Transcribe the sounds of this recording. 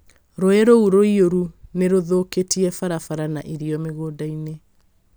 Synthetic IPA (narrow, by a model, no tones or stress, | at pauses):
ɾoɛɾouɾoioɾuneɾoðoketiɛfaɾafaɾana̰ʔiɾiɔmeɣoːdaine